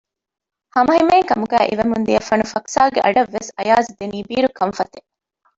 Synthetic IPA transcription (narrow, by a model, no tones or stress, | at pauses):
hɐmɐɦimeːŋkɐmuɡæːʔiʋemund̪iɐfɐnufɐksaːɡeʔɐɖɐʋːesɐjaːzid̪eniːbiːɾukɐɱfɐt̪e